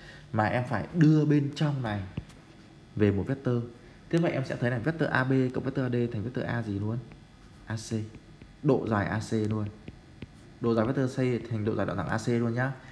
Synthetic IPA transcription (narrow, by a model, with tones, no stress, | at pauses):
maː˨˩ʔɛ˧mfaː˧˩jɗɨ˧əɓe˧nt͡ɕɔ˧wŋ͡mna˨˩j | ve˨˩mo˨˩t̚vɛ˦˥t̚t̪əː˧ | t̪ʰɨ˧və̰˧˨jʔɛ˧msɛ̰˧˥t̪ʰna˨˩vt̪̚əː˧ʔaː˧ɓe˧kə̰˧˨wvɛ˦˥t̪̚əː˧aː˧ɗe˧t̪ʰa˨˩˨ŋvɛ˦˥t̪̚ːʔaː˧zi˨˩lu˨˦ən | ʔaː˧se˧ | ɗo̰˧˨zaː˨˩jʔaː˧se˧lu˧ən | ɗo̰˧˨zːvɛ˦˥t̪əː˧se˧t̪ʰa˨˩jŋ̟ɗo̰˧˨za˨˩jɗa̰˧˨a˧˩ʔaː˧se˧lu˧ənɲaː˧˦